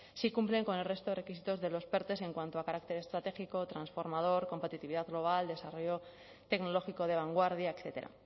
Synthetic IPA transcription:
sikumple̞ŋko̞ne̞lre̞st̪ore̞kisit̪o̞zðe̞lo̞spe̞ɾt̪e̞s̬e̞ŋkwant̪oakaɾak̚t̪e̞ɾe̞st̪ɾat̪e̞xiko̞t̪ɾansfo̞ɾmað̞o̞ɾko̞mpet̪it̪iβiðaðɣlo̞β̞ald̪e̞saro̞ʝo̞ | t̪e̞kno̞lo̞xiko̞ð̞e̞β̞aŋɡwaɾðjaekθe̞t̪e̞ɾa̰

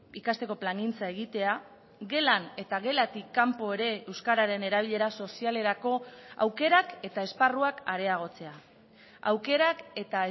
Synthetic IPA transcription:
ikast̪e̞ko̞plaŋɡint͡saeɣit̪e̞a | ɣe̞lane̞t̪aɣe̞lat̪ikːampo̞e̞ɾe̞ewskaɾaɾe̞ne̞ɾaβ̞iʎe̞ɾaso̞siale̞ɾako̞a̰wke̞ɾake̞t̪ae̞sparuakaɾe̞aɣ̞o̞t͡se̞a | a̰wke̞ɾake̞t̪a

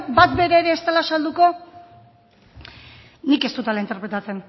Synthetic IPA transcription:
bat̪be̞ɾaːɾe̞ːst̪alasald̪uko̞ | nike̞st̪ut̪alaint̪e̞ɾpɾe̞t̪at͡se̞n

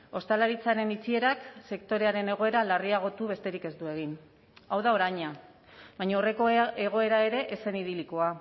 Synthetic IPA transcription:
o̞st̪alaɾit͡saɾe̞nit͡sie̞ɾakse̞kt̪o̞ɾe̞aɾe̞ne̞ɣ̞o̞e̞ɾalariaɣ̞o̞t̪uβe̞st̪e̞ɾike̞zd̪ue̞ɣ̞in | awðao̞ɾajɲa | βajɲaore̞ko̞e̞ɣ̞o̞e̞ɾae̞ɾe̞ʔese̞niðiliko̞a

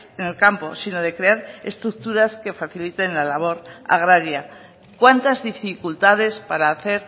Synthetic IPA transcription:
ene̞lkampo̞̰sino̞ðe̞kɾe̞aɾe̞st̪ɾuk̚t̪uɾaske̞faθilit̪e̞nlalaβ̞o̞ɾa̰ɣɾaɾja | kwant̪azðifikult̪að̞e̞spaɾaːθe̞ɾ

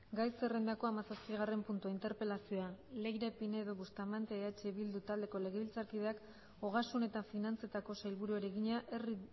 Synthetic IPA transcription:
ɡajse̞re̞nd̪ako̞amasaspiɣ̞are̞mpunt̪uaint̪e̞ɾpe̞lasio̞ale̞jɾepine̞ðo̞βust̪amant̪eat͡ʃe̞βild̪ut̪ald̪e̞ko̞le̞ɣ̞eβilt͡saɾkið̞e̞ak | o̞ɣasune̞t̪afinant͡se̞t̪ako̞sajlβuɾueɾe̞ɣiɲaʔe̞ri

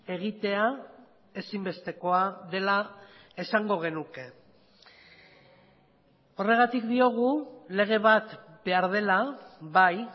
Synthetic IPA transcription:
e̞ɣit̪e̞a | e̞simbe̞st̪e̞ko̞aðe̞lae̞saŋɡo̞ɣ̞e̞nuke̞ | o̞re̞ɣ̞at̪ikd̪io̞ɣ̞ule̞ɣ̞e̞βat̪ | be̞aɾð̞e̞laβaj

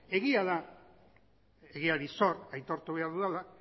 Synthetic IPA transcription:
e̞ɣiaða | eɣiaɾiso̞ɾajt̪o̞ɾt̪uβ̞e̞aɾðuðela

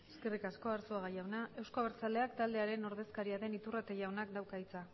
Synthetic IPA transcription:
eske̞rikasko̞aɾsoaɣajawnae̞wsko̞aβeɾt͡sald̪e̞akt̪ald̪e̞aɾe̞no̞ɾðe̞skaɾiaðe̞nit̪urat̪e̞ʝawnakd̪awkait͡sa

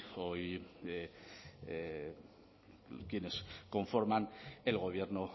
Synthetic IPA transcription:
o̞je | kje̞ne̞sko̞ɱfo̞ɾmane̞lɣo̞β̞je̞ɾno

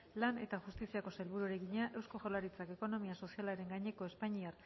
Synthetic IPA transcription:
lane̞t̪axust̪isiako̞selβuɾuaɾeɣiɲaʔe̞wsko̞ʝolaɾit͡sake̞ko̞no̞miaso̞sialaɾe̞ŋɡaɲe̞ko̞e̞spaɲiaɾ

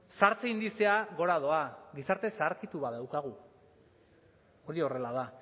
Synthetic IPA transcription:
saɾt͡seind̪iseaɣo̞ɾað̞o̞aɡisaɾt̪e̞saɾkit̪uβaðawkaɣ̞u | o̞ɾio̞re̞laða

